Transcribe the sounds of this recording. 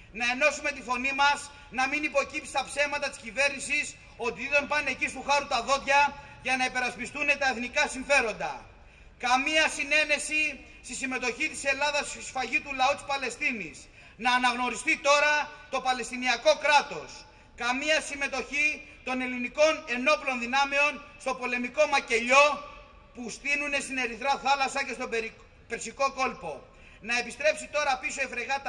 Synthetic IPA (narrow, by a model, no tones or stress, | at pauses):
nɐe̞no̞sume̞t̪iθo̞nimɐz | nɐminipo̞cipt̪si̥st̪ɐpse̞vmɐt̪ɐt̪i̥scive̞ɾnisis | o̞t̪iðit̪ompɐne̞cist̪uxɐɾut̪ɐðo̞t̪ʝɐ | ʝɐnɐipe̞ɾɐspist̪une̞t̪ɐeθnikɐsiɱfe̞ɾo̞nd̪ɐ̰ | kɐmiɐsine̞ne̞si | st̪isime̞t̪o̞çit̪i̥se̞lɐðɐsisfɐʝit̪ulɐut̪i̥spɐle̞st̪inis | nɐːnɐɣno̞ɾist̪it̪o̞ɾɐt̪o̞pɐle̞st̪iniɐko̞kɾɐt̪o̞s | kɐmiɐsime̞t̪o̞çit̪o̞ne̞liniko̞ne̞no̞plo̞nðinɐme̞o̞nst̪o̞po̞le̞miko̞mɐce̞ʎo̞ | pust̪inune̞st̪ine̞ɾiθɾɐθɐlɐsɐce̞st̪o̞ | peɾsiko̞ko̞lpo̞ | nɐe̞pist̪ɾe̞psit̪o̞ɾɐpisoe̞fɾe̞ɣɐt̪